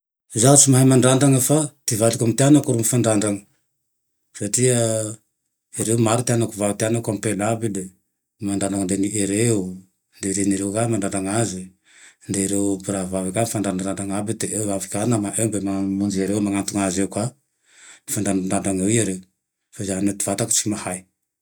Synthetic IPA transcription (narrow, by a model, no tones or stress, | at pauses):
zat͡ʃumaɦajmandandaŋafat̪ivalikomt̪eanakuɾumfandandaŋ | satia | eɾewmaɾut̪eanakuvavit̪ianakampelabile | mandanaŋndeniʔeɾeu | nd̪eɾeniɾewkamaɳɖ͡ʐaɳɖ͡ʐaŋazi | nd̪eiɾewpiɾavavikamifaɳɖ͡ʐanadaɳɖ͡ʐaŋabid̪eʔewavikʲanamaʔembemamund͡ʒiaɾewmaŋant̪uŋazewkwa | mifaɳɖ͡ʐaaɳɖ͡ʐaŋawiaɾew | fazannet̪ivat̪aku̥t͡ʃi̥mahaj